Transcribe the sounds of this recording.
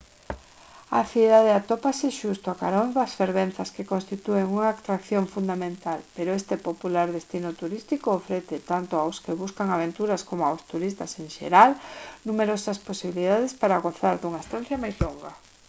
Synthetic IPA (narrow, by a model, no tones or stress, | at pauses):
aθiðað̞eat̪opasɪʃust̪oakaɾonðɐsfeɾβenθɐskekõnst̪it̪ueŋuŋaːkt̪ɾakθjoɱfund̪amẽnt̪alpeɾoest̪ɪpopulaɾðest̪inʊt̪uɾist̪ikoːfɾeθɪt̪ant̪oawskeβuskaŋaβent̪uɾɐskomʊawst̪uɾist̪ɐseŋʃḛɾalnumeɾosɐsposiβiliðaðespaɾaɣoθaɾðuŋaest̪ãn̟θjɐmajzloŋɡɐ